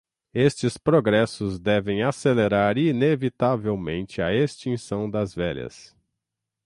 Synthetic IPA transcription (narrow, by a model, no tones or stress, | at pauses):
est͡ʃɪspɾoɡɾɛsʊzd̪ɛvẽj̃aseleɾaɾinevit̪avewmẽnt͡ʃɪɐest͡ʃĩsɐ̃w̃d̪ɐzvɛʎɐ̰s